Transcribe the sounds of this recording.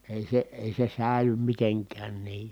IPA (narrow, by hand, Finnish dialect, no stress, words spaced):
eˑi se eˑi se sæˑi̯ly miteŋkæːn niː